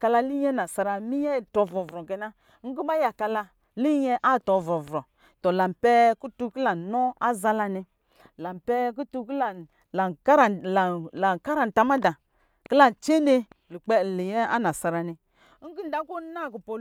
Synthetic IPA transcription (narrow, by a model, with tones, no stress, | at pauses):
ka˧la˧li˦ɛ˦na˨sa˧ɾa˧mi˦jɛ˦˨tɔ˨vɾɔ˨vɾɔ˨ɡɛ˨na˦ | ŋ̩˦ɡi˦ba˦ja˨ka˧la˧ | li˦jɛ˦ʔa˦˨tɔ˨vɾɔ˨vɾɔ˨ | tɔ˨la˨m˨pɛ˦ku˦tu˦ki˦la˨nɔ˦a˦za˦la˧ni˧ | la˨m˨pɛ˦k̬u˦tu˦kla˨ | la˨˦ɾa˨lla˨ka˦ɾa˨n˨ta˦ma˦da˨ | ki˦la˦n˨t͡ʃe˦ne˦lu˨k͡pɛ˦˨li˨jɛ˦a̰˦na˨sa˨˧ɾa˨ni˦ | ŋ̩˦ɡi˦n̩˦da˨˦ku˦na˦˨ku˨po˨